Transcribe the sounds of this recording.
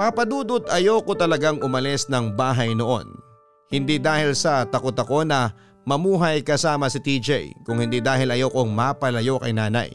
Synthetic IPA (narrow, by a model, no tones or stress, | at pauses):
papɐd̪uːd̪ʊt̪ɐjoːkot̪ɐlɐɡaŋʔʊmɐlɛsnɐŋbaːɦɐjno̞ʔo̞̰n | hɪnd̪id̪aːhɪlsɐt̪ɐkot̪ɐko̞nɐ | mɐmuːɦɐjkɐsaːmɐsɪt̪iːd͡ʒɛ̰jkʊŋhɪnd̪id̪aːɦɪlɐjoːko̞ŋmapɐlɐjo̞kɐ̰jnaːnɐ̰j